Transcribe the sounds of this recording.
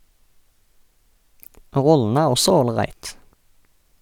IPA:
ˈʁɔləə ˈæːʁ ˈɔsɔ oːlˈʁæɪt

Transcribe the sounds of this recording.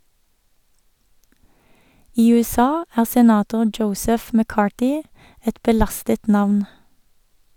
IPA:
ˈiː ʉɛˈsɑː ˈæːʁ sɛˈnɑːtʊ ˈd͡ʒəʊsɛf məˈkɑːʈɪ ˈɛt bəˈlɑstət ˈnɑʋn

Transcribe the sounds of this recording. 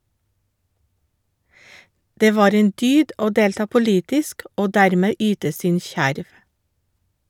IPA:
ˈdeː ˈʋɑːɾ ˈeːn ˈdyːd ˈoː ˈdeːltɑː pʊˈliːtɪsk ˈoː ˈdæɾmeː ˈyːtə ˈsɪn ˈçæɾʋ

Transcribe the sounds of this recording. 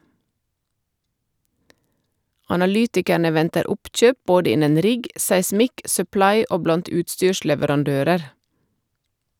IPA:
ɑnɑˈlyːtɪkəɳə ˈʋɛntəɾ ˈʊpˌc͡çøːp ˈboːdə ˈɪnən ˈɾɪɡ sæɪˈsmɪk sœˈplɑɪ ˈoː ˈblɑnt ˈʉːtˌstyːʃlɛʋəɾɑnˌdøːɾəɾ

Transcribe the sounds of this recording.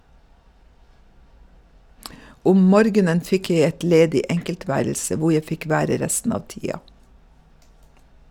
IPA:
ˈʊm ˈmɔɾɡənən ˈfɪk ˈjæɪ ˈɛt ˈleːdɪ ˈʔɛŋkəlˌtʋæːɾl̩sə ˈʋʊ ˈjæɪ ˈfɪk ˈʋæːɾə ˈɾɛstn̩ ˈɑːʋ ˈtiːɑ

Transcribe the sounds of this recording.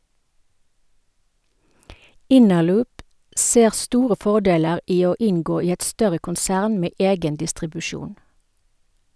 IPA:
ˈɪnəˌlʉːp ˈseːʁ ˈstuːʁə ˈfɔˌdeːləʁ ˈiː ˈoː ˈɪnɡoː ˈiː ˈɛt ˈstœʁə kʊnˈsæːʁn ˈmeː ˈeːɡən dɪstʁɪbʉˈʃuːn

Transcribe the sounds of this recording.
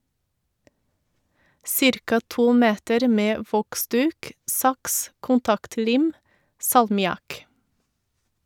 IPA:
ˈsɪɾkɑ ˈtuː ˈmeːtəɾ ˈmeː ˈʋɔkˌsdʉːk ˈsɑks kʊnˈtɑktˌliːm sɑlmɪˈɑk

